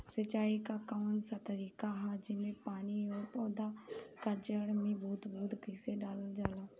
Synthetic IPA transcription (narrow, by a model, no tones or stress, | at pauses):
sət͡ʃaːikaːkaːnsaːt̪əɾiːkaːɦad͡ʒɪmẽːpaːniːoːpɔːd̪aːkəd͡ʒəɽmĩːbuːt̪buːt̪ɡɪseːɖaːləld͡ʒaːlaː